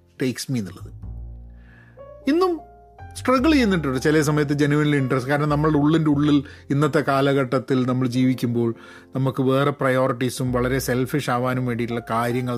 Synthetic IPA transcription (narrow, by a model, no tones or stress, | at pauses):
ʈejksminːuɭːɐðɨ | inːum | sʈrɐɡɐɭt͡ɕejːunːiʈ̬ːuɳɖɨt͡ɕelɐes̬ɐmɐjɐt̪ːɨd͡ʑenuʋɐniliɳɖrɐskaːɾɐɳɐmnɐmːɐɭɽe̞uɭːindeuɭːilinːɐt̪ːe̞kaːlɐɣɐʈːɐt̪ːilnɐmːɐɭd͡ʑiːʋikʲːumbo̞ːɭ | nɐmukːɨʋe̞ːreprɐjo̞ːriʈːisumʋɐɭɐɾe̞selfiʂaːʋaːnumʋe̞ːɳɖiʈːuɭːɐkaːɾjɐŋːɐɭ